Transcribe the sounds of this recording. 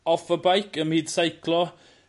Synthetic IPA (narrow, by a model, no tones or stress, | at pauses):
ɔfəbajkəmhiːd̥sajkʰlˠɔ